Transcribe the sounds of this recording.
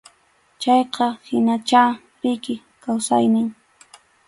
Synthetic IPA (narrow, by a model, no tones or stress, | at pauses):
t͡ʃɑjqɑhɪnat͡ʃaːpɪkɪ | kawsa̰jnɪŋ